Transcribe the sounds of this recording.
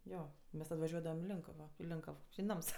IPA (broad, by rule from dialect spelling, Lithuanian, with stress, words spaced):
ˈjoː ˈmʲɛs tɐt ʋɐˈʒʲuɔdɐʋɐm ɪ ˈlʲɪŋkɐʋoː ɪ ˈlʲɪŋkɐw ɪ ˈnɐms